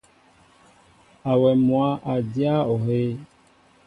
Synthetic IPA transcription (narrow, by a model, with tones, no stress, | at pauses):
a˨wɛ˨mõ˨a˨ʔa˨d͡ʒi˦a˦ɔ˨ɦe˦